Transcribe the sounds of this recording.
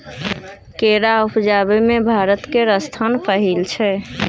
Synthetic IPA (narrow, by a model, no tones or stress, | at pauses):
keɾaupd͡ʒabɛmebʱaɾət̪keɾəst̪ʰənpəɦilt͡ʃʰɛ